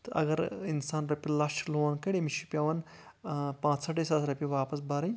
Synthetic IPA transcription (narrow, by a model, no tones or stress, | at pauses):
t̪ʔɐ̰ɡɐɾinsaːnɾɐpʲilaʂʈloːnkɐɽemiʃipʲɐʋɐn | pãːt͡ssɐʈesɐt̪ɾɐpʲiʋaːpɐs̬bɐɾɐ